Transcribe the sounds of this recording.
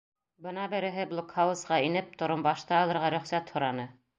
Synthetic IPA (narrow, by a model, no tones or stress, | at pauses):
bɤnɑbɘ̆ɾɘ̆ɦɘblˠokhɑwusqɑinɘp̚t̪ŏɾombɑʃt̪ɑɑlˠɤ̆ɾʁɑɾɵ̆χsæt̪hŏɾɑnɤ